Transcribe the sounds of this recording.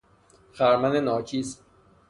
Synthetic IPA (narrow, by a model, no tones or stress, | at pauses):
xæɾmænenɒːcʰiːs